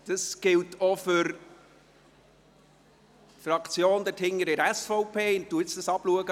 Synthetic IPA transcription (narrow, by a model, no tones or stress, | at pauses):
d̥əsɡ̥ɪltʰɔfʏɾ | fɾɑkt͡sjoːnd̪əthɪŋːəɾɪɾæsfɔʊpʰeːɪntːuəɪt͡sd̥ɑsɑbluəɡə